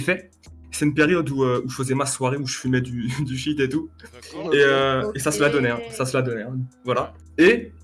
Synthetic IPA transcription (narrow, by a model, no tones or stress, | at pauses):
fɛ | sɛynpeʁjɔd̪uøuʒəfəzɛmaswaʁeuʒəfymɛd̪yd̪yfit̪et̪u | eøesasəlad̪ɔnɛɛ̃sasəlad̪ɔnɛɛ̃vwala | e